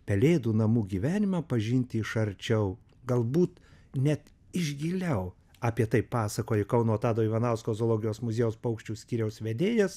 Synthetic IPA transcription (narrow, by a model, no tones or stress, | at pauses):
pʲɛlʲeːd̪uːnɐmuːɡʲiːʋʲæːnʲɪmɑːpɐʒʲɪnʲt̪ʲɪɪʃɐɾʲt͡ʃʲɛʊ | ɡɐlˠbuːt̪ | nʲɛt̪ | ɪʒʲɡʲɪlʲɛʊ | ɑːpʲiɛt̪ɐɪppːɑːsɐkoːjɪkɐʊnoɔt̪ɑːd̪oːiːʋɐnɑˑʊskoːzoːlˠoːɡʲɪjoːsmʊzʲeːjoːspɐʊkʃʲt͡ʃʲuːsʲkʲiːɾʲɛʊsʋʲɛd̪ʲeːjɛs